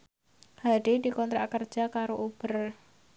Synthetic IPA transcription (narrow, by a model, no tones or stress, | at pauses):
haɖedikɔnt̪ɾakər̥d͡ʒ̥akaɾoʔub̥ər